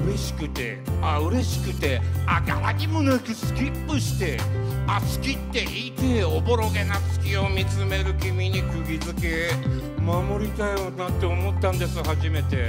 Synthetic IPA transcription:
ɯ̟ɾe̞ɕi̥kɯ̟t̪e̞ | aɯ̟ɾe̞ɕi̥kɯ̟t̪e̞aɡa̰βa̰ɲimɯ̟nekʲisɨ̥kʲipːɯ̟ɕi̥t̪e̞asɨ̥kʲit̪ːe̞ʔiːt̪e̞o̞bo̞ɾo̞ɡe̞nasɨ̥kʲio̞mʲit͡sɨme̞ɾɯ̟kʲimʲiɲ̟ikɯ̟ɡʲizɨke̞ | mamo̞ɾʲit̪ajonat̪ːe̞omo̞t̪ːãnd̪e̞sɨhaʑime̞t̪e̞

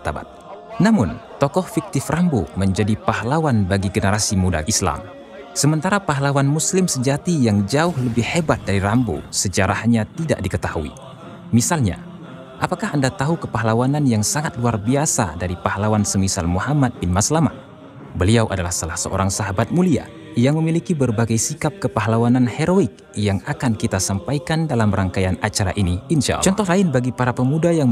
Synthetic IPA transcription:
t̪aba̰t̪̚namʊnt̪ɔkɔhfik̚t̪ɪframboməɲd͡ʒadipaɦlawanbaɡiɡənəɾasimuda̰isla̰m | səmənt̪aɾapaɦlawanmuslɪmsəd͡ʒat̪ijaŋd͡ʒaʊhləbɪhːebat̪̚daɾiɾambo̰səd͡ʒaɾahɲat̪ida̰ʔdikət̪ahuḭ | misalɲa̰ | ʔapakaɦandat̪aɦukəpaɦlawananjaŋsaŋat̪̚luarbiasa̰daɾipahalawansəmisalmuhamat̪̚bɪnmaslama̰ | bəliawʔadalahsalahsəʔo̰ɾaŋsaɦabat̪̚mulia̰ | jaŋməmilikibərbaɡajsikap̚kəpaɦlawananheɾoɪk̚jaŋakankit̪asampajkandalamrʔaŋkajanat͡ʃaɾa̰ʔiniːnʃa̰ʔt͡ʃɔnt̪ɔhlaɪnbaɡipaɾapəmudajaŋ

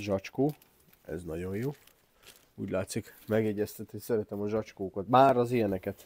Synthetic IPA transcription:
ʒɒt͡ʃkoː | ɛ̰znɒɟo̞jjoː | ṵːɟlaːt̪sikmɛɡjɛɟːɛst̪ɛt̪nisɛɾɛt̪ɛmɒʒɒt͡ʃkoːkɒt̪maːɾɒzijɛnɛkɛt̪

